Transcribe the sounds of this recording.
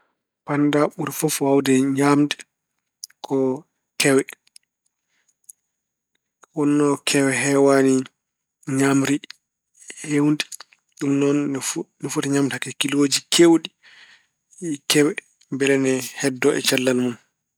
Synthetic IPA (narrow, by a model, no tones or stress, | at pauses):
pandaɓuɾfɔfawdɛɲamdɛ̥ | kʰɔ | kɛwɛ | wɔnːɔkʰɛwɛɦɛwani | ɲamɾi | hewndi̥ | ɗumnɔnnifutɛɲamtakɛkiloːd͡ʒikʰewɗi | kɛwɛ | mbɛlɛnɛhɛdːɔʔɛ̰t͡ʃalːalmun